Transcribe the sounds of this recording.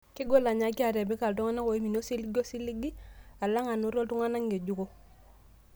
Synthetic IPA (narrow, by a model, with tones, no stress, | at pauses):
ki˦ɡo˦la˨ɲa˨ki˦a˨ɾe˨bi˦ka˨ltu˦ŋa˦na˦ŋko˨i˦mi˨no˦si˦li˦ɡo˦si˦li˦ɡi˦a˨la˦ŋa˨nu˦ɾo˦ltu˦ŋa˦na˦ŋɡe˨ɟu˦ko˦